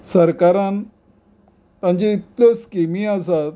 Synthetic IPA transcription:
səɾkaɾãn | t̪ãɲt͡ɕiit̪ljɔskimiasat̪

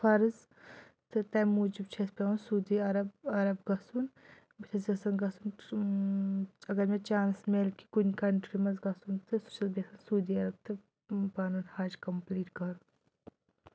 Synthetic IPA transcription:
fʰɐɾz | t̪ɨt̪ɐmuːd͡ʒib̚t͡ʃʰespʲensuːd̪iɐɾɐbɐɾɐbɡɐsun | bit̪ʰɐsɐsɐnɡɐsun | ɐɡɐɾmẽt͡ʃaːnsmelki̥kunʲkɐɳʈɾimɐzɡɐsunt̪ɨsut͡ʃʰɐsbesɐnsuːd̪iɐɾɐb̚t̪ɨ | paːnuːnhaːd͡ʒkɐmpliːʈkɐɾu

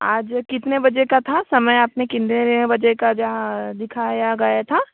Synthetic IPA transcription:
aːd͡ʒkɪt̪nebɐd͡ʒekat̪ʰasɐməjaːpnekɪnd̪eɾebɐd͡ʒekad͡ʒɐɦãd̪ɪkʰaːjaɡɐjat̪ʰa

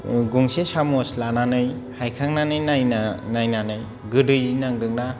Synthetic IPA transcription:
ɡuŋsesamɔslananɯj | hajkʰaŋnanɯjnajnanajnanɯj | ɡɯdɯjinaŋdɯŋna

